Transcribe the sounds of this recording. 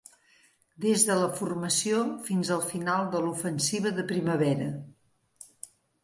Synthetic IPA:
d̪ezðələfurməsiofinzəlˠfinalˠd̪əlufənsiβəðəpɾiməβɛɾə

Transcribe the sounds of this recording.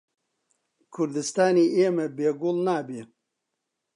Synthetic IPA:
kʰuɾd̪ɨst̪aːnieːmɐbeːɡulnaːbi

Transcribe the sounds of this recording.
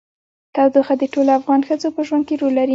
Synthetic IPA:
t̪ɑwd̪oxad̪əʈoloafɣɑnxəd͡zopəʒwand̪keɾolːaɾi

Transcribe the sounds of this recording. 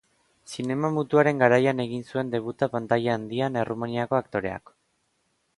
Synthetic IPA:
sine̞mamut̪uaɾe̞ŋɡaɾajane̞ɣinsue̞nd̪e̞β̞ut̪apant̪ajaaːnd̪iane̞rʔumaniako̞akt̪o̞ɾe̞a̰k

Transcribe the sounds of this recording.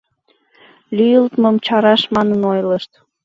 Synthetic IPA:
lʲyjəlt̪məmt͡ɕɑɾɑʃmɑnənojləʃt̪

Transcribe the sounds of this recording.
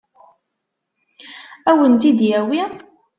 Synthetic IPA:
æwənt̪id̪jæwi

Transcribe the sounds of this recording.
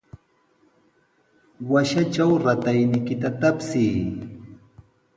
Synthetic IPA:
waʃat͡ʃawɾat̪ajnɪjkɪt̪at̪apsij

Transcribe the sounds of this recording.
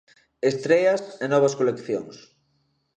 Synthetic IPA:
est̪ɾeasenɔβ̞ɐskolekθjo̰ŋs

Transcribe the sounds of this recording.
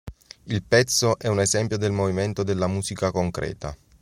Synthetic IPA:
ilpɛt̪sːoʔɛunezɛmpjod̪elmoviment̪od̪elːamuːzikakoŋkɾɛ̰ːt̪a̰

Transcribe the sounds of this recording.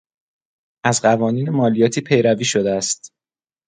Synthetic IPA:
ʔæzɢævɒːniːnemɒːlijɒːt̪ʰiːpʰe̞jɾæviːʃo̞d̪eæst̪

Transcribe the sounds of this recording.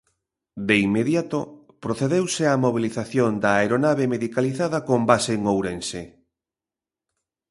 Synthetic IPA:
d̪eimeðjat̪o | pɾoθeðewseamoβ̞iliθaθjond̪ɐeɾonaβemeðikaliθaðɐkombaseŋowɾense

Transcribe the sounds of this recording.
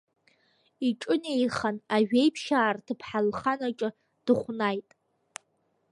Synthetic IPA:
iʈ͡ʂʼɨne̞jχanaʒᶣe̞jpʰʃaːrtʰɨpʰħalχanaʈ͡ʂʼɨ | d̥ɨχʷnajtʼ

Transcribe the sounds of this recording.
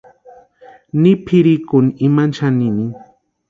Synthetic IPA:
nipʰiɾikʊniimant͡ʃanini

